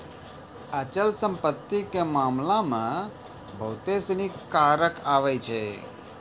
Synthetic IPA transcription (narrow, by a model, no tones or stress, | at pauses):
ət͡ʃəlsə̃mpət̪ːikemamlãmã | bʱəwt̪esnikaɾəkaʋɛjt͡ʃʰɛ